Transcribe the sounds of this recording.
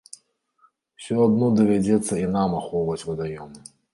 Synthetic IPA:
wsʲɔad̪nɔd̪ɐvʲad͡zʲɛt̪sːɐinamaxɔwvɐt͡sʲvɐd̪ajɔmɨ

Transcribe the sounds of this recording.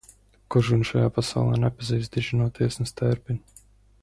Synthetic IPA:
kɔʒunʲʃajaːpasa̰wlˠɛ̰ːnɛpazijzd̪ʲiʒinuɔt̪iɛsnɨst̪ɛɾpʲinʲ

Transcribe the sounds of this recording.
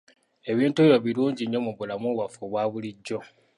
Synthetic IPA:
e̞βiːntuβiɾoβiluːɲɟiɲːo̞muβulamuːβafoβwaːβuliɟːo̞

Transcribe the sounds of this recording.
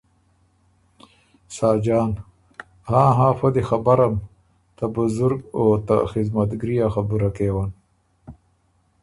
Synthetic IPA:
saːd͡ʒaːn | hãːɦãːfɐd̪exɐbaɾɐm | t̪abuzuɾɡot̪a̰xɪzmɐt̪ɡɾijaxabuɾakeːwan

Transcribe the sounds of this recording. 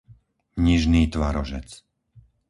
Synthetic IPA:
ɲiʒniːt̪ʋaɾɔʒɛ̰t͡s

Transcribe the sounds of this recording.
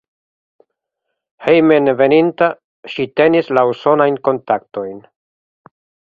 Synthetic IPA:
hejmenve̞ninta | ʃite̞nislauso̞najnko̞ntakto̞jn

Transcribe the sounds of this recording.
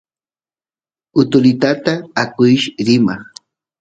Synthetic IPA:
ʊt̪ʊlɪt̪at̪aːkʊjʃɾɪmaχ

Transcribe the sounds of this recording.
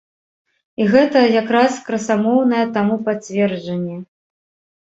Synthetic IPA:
iɣɛt̪ɐjakɾaskɾɐsamɔwnɐjɛt̪amupat͡sʲvʲɛrd͡ʐɐnʲːɛ

